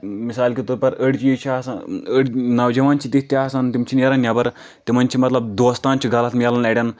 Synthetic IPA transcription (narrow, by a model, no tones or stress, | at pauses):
misalkʲit̪uɾpɐɾəɽt͡ɕiit͡ɕʰasaəɽnɐʋd͡ʑɐʋant͡ɕiːt̪it̪asant̪umt͡ɕineɾɐnjabəɾ | t̪emɐnt͡ɕimɐt̪lɐb̚d̪ost̪ãnt͡ɕiɡʱalat̪milanɛɽʲan